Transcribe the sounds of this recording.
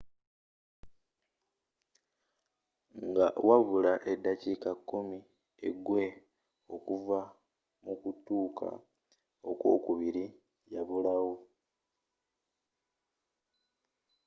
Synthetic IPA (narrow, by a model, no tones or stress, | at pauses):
ŋɡawaβulaʔe̞dːacikakːumi | ḛɡwe̞ | o̞kuva | mukutuːkʰa̰ | o̞kwo̞̰ːkuβiɾi | jaβulawo